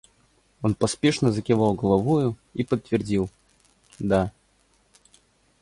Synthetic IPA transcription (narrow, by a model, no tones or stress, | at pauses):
onpɐspʲɛʂnəzəkʲɪvalˠɡəlˠavujʊipət̪ːvʲɪrdʲilˠ | d̪a